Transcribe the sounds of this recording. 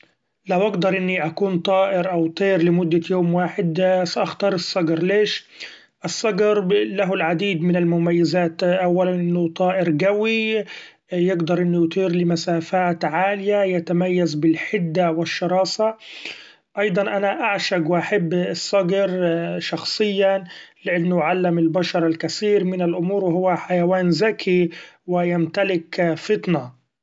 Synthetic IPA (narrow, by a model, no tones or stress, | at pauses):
lawʔaɡd̪ɑɾˤʔɪnːiʔakuːnt̪ˤɑːʔɪɾʔawt̪ˤiːɾlɪmʊd̪ːajoːmwaːħɪd̪saʔaxt̪ɑːɾˤɨsˤːɑɡɾleːʃ | ʔɨsˤːɑɡɾlaɦʊlʕad̪iːd̪mɪnɪlmʊmajːɪzaːt̪ʔawːalanʔɪnːʊt̪ˤɑːʔɪɾɡawi | jɪɡd̪ɑɾˤʔɪnːʊjt̪ˤiːɾlɪmasaːfaːt̪ʕaːlɪjajat̪amajːazbɪlħɪd̪ːawɪʃːɑɾˤɑːsa | ʔɑjd̪ˤɑnʔanaʔaʕʃaɡwɪʔaħabːɪsˤːɑɡɾʃɑxsˤɨjːalɪʔanːʊʕalːɪmɪlbaʃɑɾˤalkasiːɾmɪnɪlʔʊmuːɾwɪɦʊwːaħajawaːnzakʰiwɪjamt̪alɪkfɪt̪na